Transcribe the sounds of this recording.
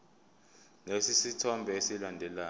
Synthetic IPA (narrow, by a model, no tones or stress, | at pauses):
nesisitʰɔmbʱɛesilandʱɛlaː